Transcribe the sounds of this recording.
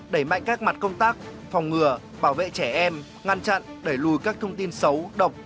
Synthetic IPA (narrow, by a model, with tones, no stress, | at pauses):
ɗə˧˩jma̰˧˨jŋ̟kaː˦˥k̚ma˨˩t̚kə˧wŋ͡mt̪aː˦˥k̚ | fa˨˩wŋ͡mŋɨ˨˩ə | ɓaː˧˩wvḛ˧˨t͡ɕɛ˧˩ʔɛ˧m | ŋa˧nt͡ɕa̰˧˨nɗe˧˩jlu˨˩jkaː˦˥k̚t̪ʰə˧wŋ͡mt̪i˧nsə˨˦wɗə˨˩wk͡p̚